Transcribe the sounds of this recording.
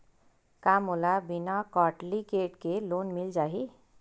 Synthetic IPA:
kamolabinakɔʈlikeʈkelonmild͡ʒaɦi

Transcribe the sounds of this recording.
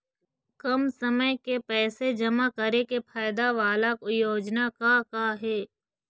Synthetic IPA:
kɐmsəməjkepɛːsed͡ʒɐmakəɾekepʰaːjd̪aʋaːlakjoːd͡ʒnakakaɦɛː

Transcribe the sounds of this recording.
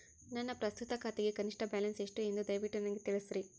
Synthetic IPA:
nɐnːɐpɾɐst̪ut̪ɐkʰaːt̪eɡekɐniʂʈɐbaːlɐnseʂʈue̞nd̪ud̪ɐjʋiʈːunɐnɡet̪iɭisɾi

